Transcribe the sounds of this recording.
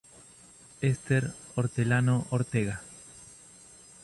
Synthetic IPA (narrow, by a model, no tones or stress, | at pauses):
est̪eɾoɾt̪elanoʔoɾt̪eɣa